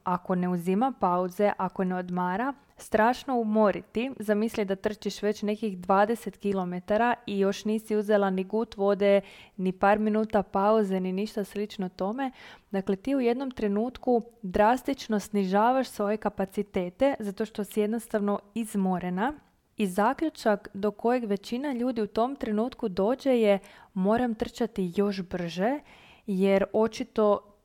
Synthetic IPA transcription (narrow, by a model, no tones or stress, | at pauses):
ako̞ne̞uzimapauze̞ʔako̞ne̞o̞d̪maːɾa | st̪ɾaːʃno̞umo̞ɾit̪izamislid̪at̪r̩t͡ʃiʃʋe̞t͡ɕne̞kixd̪ʋaːd̪e̞se̞t̪kilˠo̞me̞t̪aɾaijo̞ʃniːsiuzelˠaniɡuːt̪ʋo̞d̪e̞nipaːɾminuːt̪apauze̞niniʃt̪aslit͡ʃnot̪o̞me̞d̪akle̞t̪iːuje̞d̪no̞mt̪ɾe̞nuːt̪kud̪ɾast̪it͡ʃno̞sniʒaːʋaʃsʋo̞je̞kapat̪sit̪e̞ːt̪e̞zat̪oʃt̪o̞sije̞d̪no̞st̪aʋno̞izmoɾe̞na | izaːkʎut͡ʃakd̪o̞kʰo̞je̞ɡʋe̞t͡ʃinaʎuːd̪iut̪o̞mt̪ɾe̞nuːt̪kud̪o̞ːd͡ʑe̞jemo̞ːɾamt̪r̩t͡ʃat̪ijo̞ʃbr̩ʒe̞ | jeɾo̞t͡ʃit̪o̞